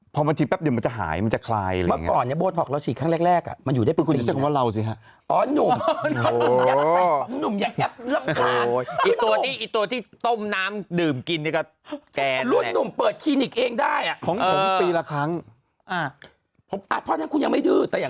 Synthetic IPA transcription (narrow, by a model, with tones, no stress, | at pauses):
pʰɔ˧ba˧nt̪ʰiː˧˩pɛ˦˥p̚diː˨˩ma˧nt͡ɕa˨˩ɦa̰ː˩˦jma˧nt͡ɕa˨˩kʰlaː˧ja˧ma̰ː˧˨˩ŋː˦kɔː˨˩nːi˥˩boː˧t̪̚ʰɔ˨˩la˧wsʰiː˨˩kʰaː˥˩ŋɾɛː˥˩k̚ɾɛː˥˩k̚ʔa̰˨˩ma˧nju˨˩daː˥˩˧ku˧n˨t͡ɕa˨˩˥kʰːa˥ɾa˧wsi˨˦˩kʰa˦˥ʔ | ʔɔː˨˦nu˨˩m˨ | mja˨˦nu˨˩mja˨˩ɛ˦˥p̚lɯ˥˩˨mka˧˩ʔi˨˩t̪u˧ɐiː˥˩ʔi˨˩t̪u˧ɐ˧t̪ʰiː˥˩t̪o˥˩mnaː˦˥mdɯː˨˩mki˧nːi˥˩kɔ˥˩ | t͡ɕɛː˧lu˥˩əː˧u˨˩mpɤː˨˩t̪̚kʰiː˧ni˨˩k̚ʔeː˧ŋdaː˥˩jʔa˩pʰɔ˨˦ŋɤː˨˦˧p̪iː˧la˧kʰɾa˦˥ŋ | ʔa˧˩ | pʰo˨˦mʔa˨˩pʰɔ˧˥˨nːa˦˥nkʰu˧nja˧ŋma˥˩dɯː˧˩t̪ɛː˨˩jaː˨˩ŋ